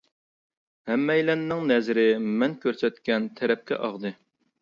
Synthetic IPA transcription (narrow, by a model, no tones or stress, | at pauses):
hɛmːɛjlɛnːɪŋnɛzɾɪmɛnkʲøɾsɛt̪kʲɛnt̪ʰɛɾɛp̚kʲʰɛ̰ʔɑʁd̪ɨ